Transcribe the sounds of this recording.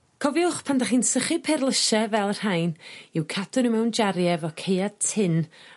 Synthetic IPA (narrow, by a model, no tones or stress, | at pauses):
kʰɔvjʊχpʰandaχiːnsəχɨpʰɛrlˠəʃɛvɛlˠr̥hajnɪwkʰadʊnəmɛwnd͡ʒaɾjɛvɔkʰejad̚tʰɪn